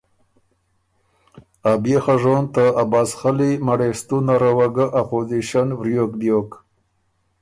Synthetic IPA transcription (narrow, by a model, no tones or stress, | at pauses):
abjexaʐont̪əabaːsxalimaɽest̪unaɾawaɡaʔapoziʃanvɾjokd̪jok